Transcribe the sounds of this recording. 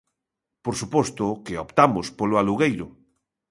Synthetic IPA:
poɾsupost̪okeopt̪amospoloaluɣ̞ejɾo

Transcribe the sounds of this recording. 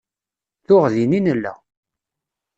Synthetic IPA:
θʊʁðininəlːæ̰

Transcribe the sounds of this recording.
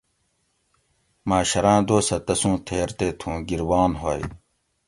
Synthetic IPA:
mãːɕɐɾãːd̪oːsɐt̪ɐsũːt̪ʰeːɾt̪eːt̪ʰũːɡiɾwaːnɦoːj

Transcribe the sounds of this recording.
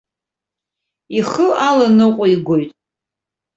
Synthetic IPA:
iχəalanɨqʷʼʊiɡʷojtʼ

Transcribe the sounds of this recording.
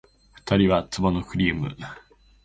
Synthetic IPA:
ɸɯ̥t̪aɾʲiβat͡sɨmanokɯ̟ɾʲiːmɯ̟̰

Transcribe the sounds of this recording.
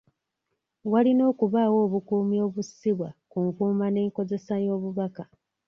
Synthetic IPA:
walino̞ːkuβaːwo̞ːβukuːmio̞ːβusiβwakuŋkuːmane̞ːŋko̞ze̞sajo̞ːβuβaka

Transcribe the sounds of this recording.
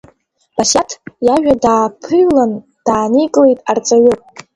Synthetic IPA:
b̥asatʰjaʒᶣadaːpʰɨjlan | d̥aːnikʼle̞jtʼart͡sʼaɥʊpʼ

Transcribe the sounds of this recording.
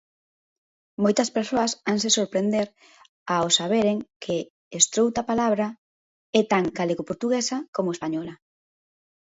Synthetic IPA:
mojt̪ɐspeɾsoɐsaŋsesoɾpɾend̪eɾ | aosaβ̞eɾeŋkʰɪː | st̪ɾowt̪apalaβɾa | ɛt̪aŋɡaleɣopoɾt̪uɣesɐkomʊespaɲɔlɐ

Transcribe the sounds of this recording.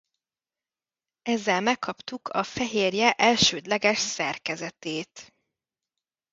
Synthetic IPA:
ɛzːɛlmɛkʰːɒpt̪ukʰɒfɛɦeːrjɛʔɛlʃøːd̪lɛɡɛʃsɛrkɛzɛt̪eːt̪

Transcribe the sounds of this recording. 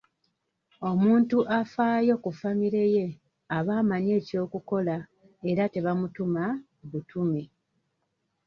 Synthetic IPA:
o̞muːntuʔafaːjo̞kufamiɾe̞je̞ | aβaːmaɲe̞ːco̞ːkuko̞la | e̞ɾate̞βamutuma | βutume

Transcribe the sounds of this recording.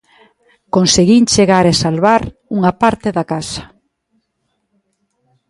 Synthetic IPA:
konseɣint͡ʃeɣaɾesalβaɾuŋapaɾt̪eðakasḁ

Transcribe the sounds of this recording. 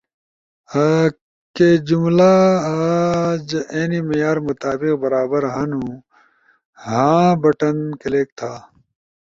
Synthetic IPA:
ked͡ʑumlaad͡ʑeːnimɐjaːɾmut̪aːbiqbɐɾaːbɐɾɦãnũ | hãːbɐʈɐnkɐleːk̚t̪ʰaː

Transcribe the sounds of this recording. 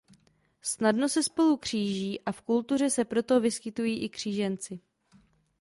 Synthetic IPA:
snadno̞sɛspo̞lukr̝̥iːʒiːʔafkult̪ur̝ɛsɛpɾo̞t̪o̞vɪskɪt̪ujiːʔɪkr̝̥iːʒɛnt͡sɪ

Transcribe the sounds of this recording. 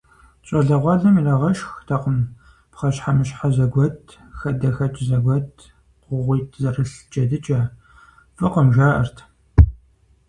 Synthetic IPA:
ɕʼɐɮɐʁʷɑɮɐmiɮɐʁɐʃxtʰɐqəm | pχɐɕħamɨɕħazɐɡʷɔtʰ | xɐdɐxɐt͡ʃʼzɐɡʷɔtʰ | qʷʊʁʷiːtʰzɐrɨɬt͡ʃʼɐdɨt͡ʃʼɐː | fʼɨqəmʒaːʔɐ̰rtʰ

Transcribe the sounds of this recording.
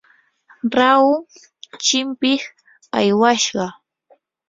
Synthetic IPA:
ɾaʊ | t͡ʃɪmpɪχ | ajwaʃɢɑ

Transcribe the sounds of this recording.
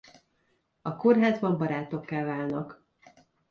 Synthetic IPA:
ɒko̞rɦaːzbɒmbɒɾaːt̪o̞kːaːlvaːlnɒk

